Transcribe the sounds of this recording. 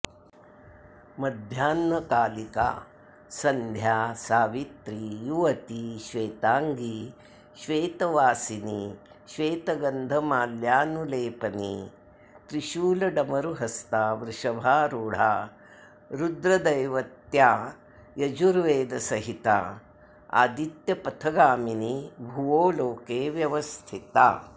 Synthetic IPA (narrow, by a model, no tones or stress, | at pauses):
mɐd̪ʱjaːnmɐkaːlika̰ː | sɐnd̪ʱjaːsaːʋit̪ɾijuʋɐt̪iʃʋeːt̪aːŋɡi | ʃʋeːt̪ɐʋaːsini | ʃʋeːt̪ɐɡɐnd̪ʱɐmaːljaːnuleːpɐni | t̪ɾiʃuːlɐɖɐmɐɾuɦɐst̪aːʋɾɪʂɐbʱaːɾuːɽ̤aː | ɾud̪ɾɐd̪ɐjʋɐt̪jaː | jɐd͡ʒuɾʋeːd̪ɐsɐɦit̪a̰ | a̰ːd̪it̪jɐpɐt̪ʰɐɡaːminibʱuʋoːloːkeːʋjɐʋɐst̪ʰit̪a̰